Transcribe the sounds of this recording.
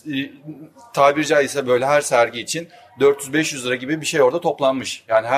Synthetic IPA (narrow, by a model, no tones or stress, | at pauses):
t̪ʰaːbiɾd͡ʒaisɛbø̞jlʲɛɦæɾsæɾɟiːt͡ʃʰin | d̪ø̞ɾt̪ʰjyzbɛʃjyzlˠɯɾaɟibibiʃe̞jo̞ɾd̪at̪ʰo̞plˠanmɯʃjaːniɦ